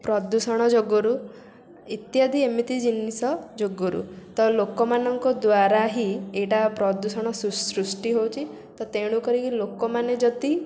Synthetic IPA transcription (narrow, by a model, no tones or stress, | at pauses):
pɾɔd̪usɔɽ̃ɔd͡ʒoɡɔɾu | it̪jad̪ʱiemit̪id͡ʒinisɔd͡ʒoɡɔɾṵt̪ɔlokɔmanɔŋkɔd̪waɾaɦieʈapɾɔd̪usɔɽ̃ɔsusɾusʈiɦowt͡ʃʰi | t̪ɔt̪eɽ̃ukɔɾikilokɔmaned͡ʒɔd̪i